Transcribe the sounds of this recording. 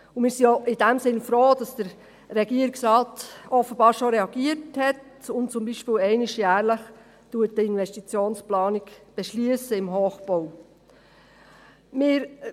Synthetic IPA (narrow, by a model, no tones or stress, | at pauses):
ʊmɪːɾsioʔɪdæmsɪnfɾoːd̥ɑsd̥əɾ | ɾɛɡiəɾiksɾɑːtɔfəb̥ɑːɾʃoɾɛɑɡ̥iəthɛtʊntt͡sʊmbiːʃpɪːlɛɪnɪʃjæːɾləχ | tuətəɪnʋɛstit͡sjoːnsplɑːnikb̥ɛʃlyəsəɪmɦoːχb̥ow | mɪːɾ